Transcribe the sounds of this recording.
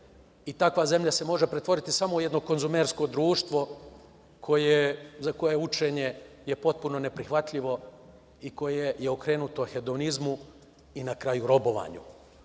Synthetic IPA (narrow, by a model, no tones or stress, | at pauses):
it̪akʋaze̞mʎʲase̞mo̞ʒe̞pɾet̪ʋo̞ɾit̪isamouje̞d̪no̞ko̞nzumeɾsko̞d̪ɾuːʃt̪ʋo̞ | kʰo̞jezako̞je̞ut͡ʃe̞ɲe̞jepo̞t̪̚puno̞ne̞pɾixʋat̪ʎiʋo̞ | iko̞jejeokɾeːnut̪oxed̪o̞nizmu | inakɾajuɾo̞bo̞ʋa̰ːɲṵ